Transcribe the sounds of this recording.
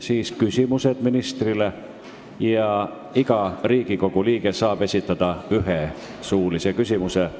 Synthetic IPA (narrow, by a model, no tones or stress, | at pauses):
siːskysʲimuse̞d̪̥minist̪rile | jɑ | iɡ̥ɑriːɡ̥iko̞ɡ̥uliːɡ̥e̞sɑːb̥e̞sʲit̪ːˑɑd̪̥ɑyɦe | suːlise̞kysʲimuse